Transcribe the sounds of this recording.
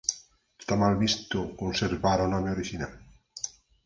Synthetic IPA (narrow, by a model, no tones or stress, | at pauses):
e̥st̪amalβist̪ʊkonseɾβaɾonɔmeoɾiʃinal